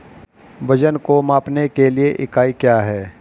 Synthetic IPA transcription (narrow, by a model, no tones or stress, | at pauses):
ʋɐd͡ʒənkomaːpnekelieʔɪkaːikjaːɦɛː